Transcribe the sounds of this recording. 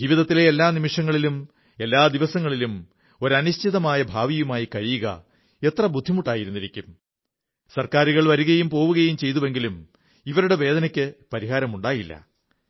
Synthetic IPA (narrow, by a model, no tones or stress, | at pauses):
d͡ʑiʋiðɐt̪ːileelːaːnimiʂɐŋːɐɭilum | e̞lːaːd̪iʋɐsɐŋːɐɭilum | o̞ɾɐnuɕt͡ɕʰiðɐmaːjɐbʱaːʋijumaːjikɐɻijuɣɐ̰ | e̞t̪rɐbud̪ʱːimuʈːaːjiɾunːiɾikʲːum | sɐrkaːɾuɣɐɭʋɐɾuɣɐjumpo̞ːʋuɣɐjumt͡ɕe̞jt̪uʋe̞ŋɡilum | iʋɐɾuɽe̞ʋe̞ːd̪ɐnɐkʲːɨpɐɾiɦaːɾɐmuɳɖaːjilːɐ̰